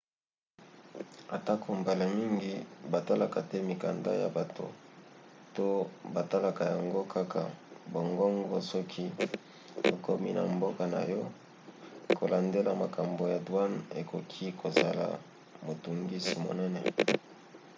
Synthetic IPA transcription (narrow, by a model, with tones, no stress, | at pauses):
a˨ta˦kʰo˨mba˨la˨mi˦ŋɡi˦ba˨ta˦la˨ka˨tɛ˦mi˨ka˨nda̰˦ja̰˨ba˨to̰˨ | to˦ba˨ta˦la˨ka˨ja˨ŋɡo˦kʰa˦kʰa˨bo˨ŋɡɔ˦ŋɡɔ˦sɔ˦kʰi˦ | to˨ko˦mi˦na̰˨mbo˦ka˨na̰˨jɔ˦ | kʰo˨la˨nde˦la˨ma˨ka˨mbo˨ja˨dwa˦ne˨kʰo˨kʰi˦kʰo˨za˨la̰˨ | mo˨tu˨ŋɡi˦si˨mo̰˨nɛ˦nɛ˨